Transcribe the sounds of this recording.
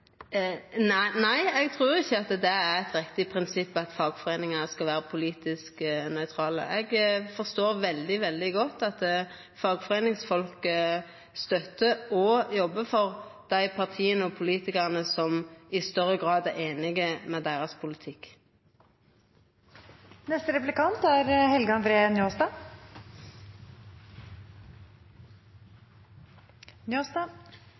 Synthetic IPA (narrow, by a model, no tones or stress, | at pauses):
nnæɪɛɡt̪ʰʁuːɾɪçːəɑt̪d̪ɛæʁɛt̪ɾɪkt̪ɪpʰʁɪnsɪpːɑt̪fɑːɡfɔʁeːnɪŋɑskɑlʋæːɾəpʰʊliːt̪ɪsknœʏt̪ʰɾɑːlə̰ʔɛɡfɔst̪oːɾʋɛld̪ɪʋɛld̪ɪɡɔt̪ːɑt̪ | fɑːɡfɔʁeːnɪŋsfɔlkə | st̪œt̪ːəɔjɔbːəfɔʁd̪̥æɪpʰɑʁt̪ʰiːənəɔpʰʊliːt̪ɪkəʁnəsɔmɪst̪œʁəɡʁɑːd̪æeːnɪɡəmɛd̪eːʁɑspʰʊlɪt̪ʰɪk | nɛst̪əɾɛplɪkɑnt̪æɾhɛlɡɑnfɾeːnjoːsd̪ɑː | njoːsd̪ɑ